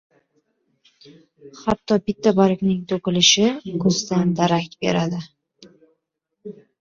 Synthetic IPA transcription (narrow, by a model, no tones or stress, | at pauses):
hat̪ʰːɒbɪt̪ʰːabaɾɪkʲnɪŋt̪ʰoqɪlɪʃɪkʰɵzd̪and̪aɾak̚ʲt̪be̞̰ɾad̪ɪ